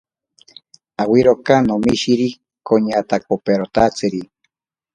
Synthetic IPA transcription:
awiɾokanomiʃiɾi | koɲat̪ak̚opeɾot̪at͡sɨɾi

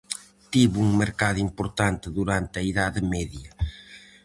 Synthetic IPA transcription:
t̪iβuŋmeɾkaðʊimpoɾt̪ant̪ɪðuɾant̪ɐiðaðɪmɛðjɐ

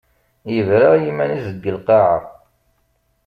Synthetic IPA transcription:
jəvɾaʁjimːænizəɡːəlqɑʕa

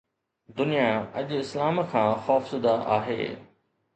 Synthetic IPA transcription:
d̪ʊnijaɐʄɪslaːmkʰãːxɔːfsʊd̪aʔa̰ːɦḛː

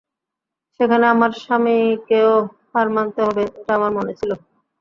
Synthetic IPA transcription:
ʃekʰaneamaɾʃamikeohaɾmant̪eɦɔbeeʈaamaɾmonet͡ɕʰilo

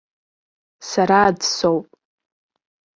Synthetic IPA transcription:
saɾaːdsowpʼ

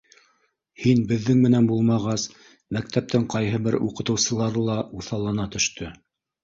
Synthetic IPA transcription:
hinbɘ̆ðːɘŋmɘ̆nænbulˠmɑʁɑs | mæk̚t̪æp̚t̪ɘŋqɑjɦɤbɘɾuqɤ̆t̪ɤ̆wsɤ̆lˠɑɾɤlˠɑuθɑlˠɑnɑt̪ɵ̆ʃt̪ʰɵ

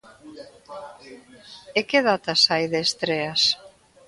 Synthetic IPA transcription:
ekeðat̪asajðeːst̪ɾeas

